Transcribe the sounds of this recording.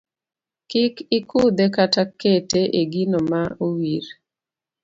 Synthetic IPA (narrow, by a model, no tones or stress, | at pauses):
kɪkɪkʰʊd̪ekataketeʔeɡinomauwiɾ